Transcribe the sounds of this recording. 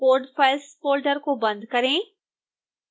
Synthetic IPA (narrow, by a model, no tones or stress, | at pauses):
oːɾɖfɐɪspoːlɖəɾkobɐ̃nd̪kɐɾẽː